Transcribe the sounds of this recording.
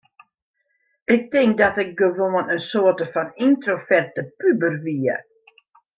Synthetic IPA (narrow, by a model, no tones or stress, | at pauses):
ɪk̚tɪŋk̚dɔtɪk̚ɡəʋoənənsoətəfɔnintrofɛrtəpybərʋiə